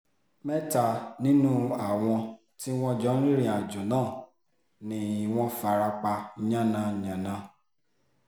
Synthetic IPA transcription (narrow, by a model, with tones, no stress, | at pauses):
mɛ˦ta˦˨nĩ˦nũ˦a˨w̃ɔ̃˧ | ti˦w̃ɔ̃˦d͡ʒɔ˨˦ɾi˦ɾĩ˦˧˨a˨d͡ʒɔ̃˨nãː˦˨ | nĩ˧˨w̃ɔ̃˦fa˨ɾa˧k͡pa˧˨ɲã˦˨nã˧˨ɲã˨nã˧